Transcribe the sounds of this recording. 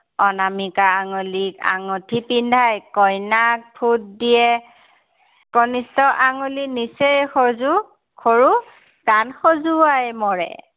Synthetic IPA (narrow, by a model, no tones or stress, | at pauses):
ɔnamikaːŋolika̰ŋɔtʰipindʱajkɔjnak̚pʰut̚dijɛ | kɔnistɔʔaŋulinisejxɔzu | kʰoɹu | danxozuajmɔɹɛ̰